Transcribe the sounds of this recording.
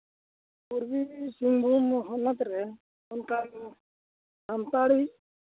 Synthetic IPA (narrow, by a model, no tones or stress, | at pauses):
puɾbisiŋbʱumɔɦɔnat̪ɾɛ | ɔnka | damt̪aɽi